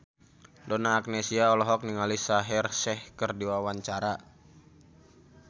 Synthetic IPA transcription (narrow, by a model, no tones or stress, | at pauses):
dɔnaːk̚nɛsiaɔlɔɦɔk̚niŋalisaɦɛrsɛhkərdiwawaɲt͡ʃaɾa